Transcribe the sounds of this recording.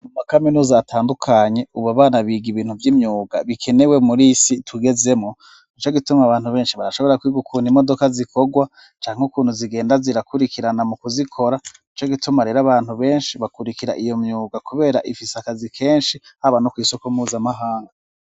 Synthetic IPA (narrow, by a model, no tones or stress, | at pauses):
mumakaminuːzaːtʰaːndukʰaɲe̞uβaβaːnaβiːɡiβiːn̥huvjiːmɲuːɡa̰βikʰe̞ne̞wemuɾisitʰwiɡe̞ze̞mŋo | it͡ʃo̞ɡitumaβaːn̥huβe̞ːnʃiβaɾaʃo̞βo̞ɾakwiɡukʰuːndimo̞do̞kazikʰo̞ɡwa | t͡ʃaːŋ̥eukuːn̥huziɡe̞ːndaziɾakuɾikiɾanamukuzikʰo̞ɾa | it͡ʃo̞ɡitumaɾe̞ːɾaβaːn̥uβe̞ːnʃiβakuɾikiɾa̰ʔijo̞mɲuːɡakuβe̞ːɾaʔifiseakazikʰe̞ːnʃihaβanokwiːsokomuːzamaɦaːŋɡa